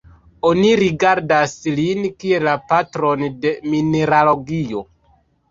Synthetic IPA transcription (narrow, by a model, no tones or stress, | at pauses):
oniɾiɡaɾdaslinkielapatɾo̞nde̞mine̞ɾalo̞ɡio̞